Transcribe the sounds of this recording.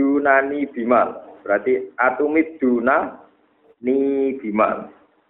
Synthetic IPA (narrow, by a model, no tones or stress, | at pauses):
dṳnanib̥i̤malb̥əɾat̪iʔat̪umɪd̪̥ṳna | nib̥i̤ma̰l